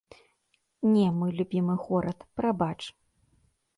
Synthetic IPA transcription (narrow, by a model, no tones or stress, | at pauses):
nʲɛmɨlʲubʲimɨɣɔɾɐt̪pɾabat͡ʂ